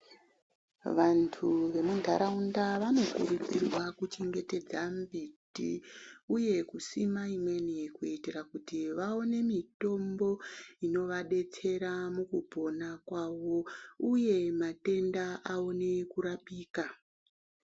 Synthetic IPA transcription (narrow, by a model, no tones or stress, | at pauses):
ʋantʰuʋe̞mundʱa̰ɾaundaʋano̞kṵɾupirwakut͡ʃeŋɡe̞te̞d͡zambitḭuje̞kusimaimwe̞nekuitirakutiʋao̞ne̞mito̞mbo̞ino̞ʋaɗe̞t͡se̞ɾamukubʱo̞nakwaʋo̞uje̞mate̞ndaʔaone̞kuɾapiːka